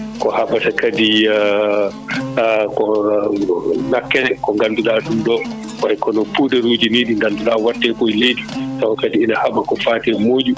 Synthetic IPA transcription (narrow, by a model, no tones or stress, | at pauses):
kɔhaɓasakadi | kɔ | nakːɛɛkɔŋɡanduɗaːɗumdɔ | wajkɔnɔpuɗɛɾud͡ʒineɗiŋɡanduɗaːwatːɛkɔjledisawakadiinahaɓakɔfaːtɛmoːd͡ʒu